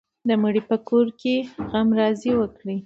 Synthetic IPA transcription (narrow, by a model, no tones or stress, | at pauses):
d̪əməɽipəkoɾkeɣamɾɑziwəkɽi